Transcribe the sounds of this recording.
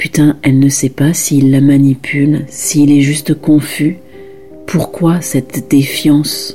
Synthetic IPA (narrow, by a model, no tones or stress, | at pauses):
pyt̪ɛ̃ɛlnəsɛpasiːlːamanipʰylsiːlɛʒyst̪kɔ̃fy | pʰuʁkwasɛt̪d̪̥efjɑ̃s